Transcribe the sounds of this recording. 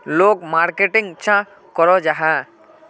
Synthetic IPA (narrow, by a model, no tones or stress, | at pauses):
lok̚maɾkeʈiŋt͡ʃʰã | kɔɾɔd͡ʒaɦa